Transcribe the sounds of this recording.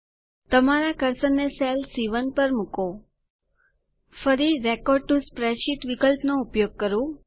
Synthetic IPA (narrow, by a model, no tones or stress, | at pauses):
t̪əmaɾakəɾsənːesɛlsiʋənpəɾmuko | fəɾiɾekɔɖ̚ʈuspɾeʃit̪ʋikəlpnoupjoɡ̚kəɾũ